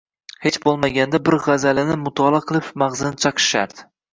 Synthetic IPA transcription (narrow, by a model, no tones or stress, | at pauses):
he̞t͡ʃbolˠmaɡʲand̪abɪɾʁazalɪnɪmʊt̪ʰɒlˠɑqʰɨlˠɪpmaʁzɪnɪt͡ʃʰɑqʰɨ̥ʃa̰ɾd̪̥ɪ